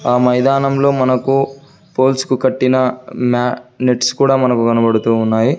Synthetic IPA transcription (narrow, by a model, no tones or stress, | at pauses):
aːmɐjd̪aːnɐmlo̞ːmɐnɐku | po̞ːlskukɐʈːinɐmaːneʈskuːɽaːmɐnɐkukɐnɐbɐɽut̪uːnːaːji